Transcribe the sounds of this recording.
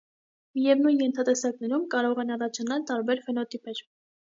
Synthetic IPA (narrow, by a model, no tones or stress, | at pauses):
mijɛvnujnjɛnt̪ʰɑt̪ɛsɑknɛɾumkɑɾɔʁɛnɑrɑt͡ʃʰɑnɑlt̪ɑɾbɛɾfɛnɔt̪ipɛɾ